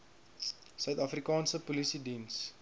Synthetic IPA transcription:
sœɥt̪ɐfrikɑːnsəpulisidins

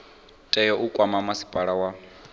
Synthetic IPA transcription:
tʼɛjɔʔukʼwamamasi̥pʼaɺawa

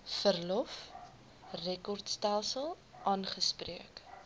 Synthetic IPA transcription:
fərlɔf | rɛkɔrtstɛlˠsəlˠ | ʔɑːnχəspriək

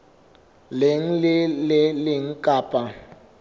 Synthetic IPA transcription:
leŋ̩lɪlɪlɪŋ̩kʼaːpʼa

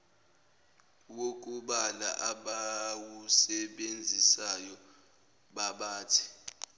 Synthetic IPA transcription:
wok̬ʼuɓala̰ʔaɓawusɛɓend͡zʱisajɔ | ɓaɓaːtʰi̥

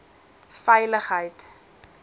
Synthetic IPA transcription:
fɛjləχɦəjt

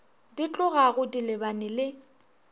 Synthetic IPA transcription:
dit͡ɬʼʊɣaɣʊdilɪbanɪlɪ

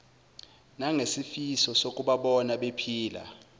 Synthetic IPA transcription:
naŋesifisɔsok̬ʼuɓaɓɔnaɓepʰiːla̰

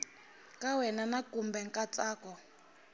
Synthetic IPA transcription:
kawɛnanakumbɛŋkʼat͡saːkɔ

